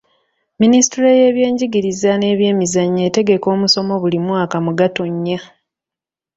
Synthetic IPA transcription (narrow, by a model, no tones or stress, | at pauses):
ministiɾeje̞ːβje̞ːɲɟiɡiɾizane̞ːβje̞ːmizaɲːe̞ːte̞ɡe̞ko̞ːmuso̞mo̞βulimwaːkamuɡato̞ɲːa